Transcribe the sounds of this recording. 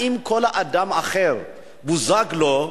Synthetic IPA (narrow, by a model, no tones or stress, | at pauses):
im̩kʰɔlaʔadamaχɛːɾɔ̰ | buzaklɔ